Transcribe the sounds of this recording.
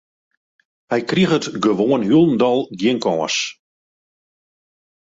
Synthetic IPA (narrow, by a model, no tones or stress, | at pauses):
hɛjkriəxətɡəʋoːənɦylˠn̩dɔlˠɡjɪŋkɔːs